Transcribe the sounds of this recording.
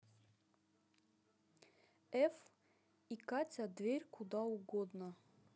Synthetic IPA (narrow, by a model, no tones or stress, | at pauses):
ɛf | ikat͡sʲad̪vʲerʲkʰud̪auɡɔd̪nɐ